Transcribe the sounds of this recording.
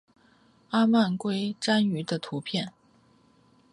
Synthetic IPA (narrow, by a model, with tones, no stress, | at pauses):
a˥ma˥˩nkwe˥ɪʈ͡ʂa˥ny˧˥d̪ə˧t̪ʰu˧˥pʰjɛ˥˩n